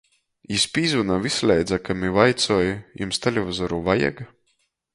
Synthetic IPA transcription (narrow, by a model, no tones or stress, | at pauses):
ispʲiːzunaːvislʲɛjd̪zakamivajt̪sɔːjjumst̪elʲevazɔɾuːvaja̰ɡa